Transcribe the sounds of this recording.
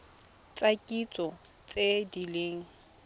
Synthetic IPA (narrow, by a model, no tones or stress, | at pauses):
t͡sʼakʼit͡sʼɔ | t͡sʼedileːŋ̩